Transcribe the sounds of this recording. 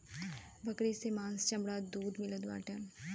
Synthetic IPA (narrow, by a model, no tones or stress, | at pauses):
bəkɽisemãːnst͡ʃɐmbɽad̪uːd̪mɪləd̪ʋa̰ːʈɛ